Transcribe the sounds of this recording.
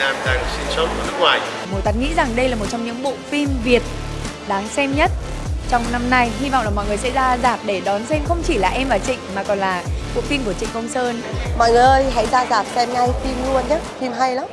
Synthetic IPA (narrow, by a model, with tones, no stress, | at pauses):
naː˧mɗaː˧ŋsi˧nso˦˥t̚ka˧˩nɨ˦˥k̚ŋwaː˨˩j | m˨˩˦t̪a˨˩t̚ŋḭ˧˥za˨˩ŋɗə˧jlaː˨˩mo˨˩t̚t͡ɕɔ˧wŋ͡mɲɨ̰˧˥ŋɓo̰˧˨fi˧mvi˨˩ət̚ | ɗaː˨˦ŋsɛ˧mɲə˦˥t̚ | t͡ɕɔ˧wŋ͡mna˧mna˧jɦi˧va̰˧˨wŋ͡mlaː˨˩mɔ̰˧˨jŋ˨˩əjsɛ̰˧˥zaː˧zaː˨˩p̚ɗe˧˩ɗɔ˨˦nsɛ˧mxə˧wŋ͡mt͡ɕi˧˩laː˨˩ʔɛ˧mvaː˨˩wt͡ɕḭ̈˧˨ŋ̟maː˨˩kɔ˨˩nlaː˨˩ɓo̰˧˨fi˧mku˧˩ət͡ɕḭ˧˨ŋkə˧wŋ͡msəː˧nmɔ̰˧˨jŋɨ˨˩jʔə˧jɦa̰˧˥jzaː˧zaː˨˩p̚sɛ˧mŋa˧jfi˧mlu˧ənɲə˨˦fi˧mɦa˧jlaː˨˦m